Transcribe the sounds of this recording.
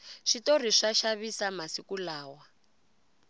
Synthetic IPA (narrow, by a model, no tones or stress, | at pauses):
ʂitoriʂaʃaβisamasikulaːwa